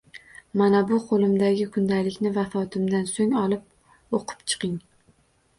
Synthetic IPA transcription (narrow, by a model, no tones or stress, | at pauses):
manabʊqʰolˠɪmd̪aɡʲɪkʰʊnd̪alɪkʲnɪvafɒt̪ʰɪmd̪ansoŋɒlˠɪp̚ | oqʰɨ̥pt͡ʃʰɨ̥qʰɪŋ